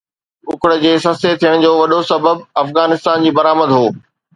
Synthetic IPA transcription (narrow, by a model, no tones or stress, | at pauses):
ʊkɽə̆d͡ʑeːsɐset̪ʰijəɽ̃d͡ʑoːʋɐɗosɐbəbɐfɣaːnɪst̪aːnd͡ʑiːbɐɾaːməd̪ɦoː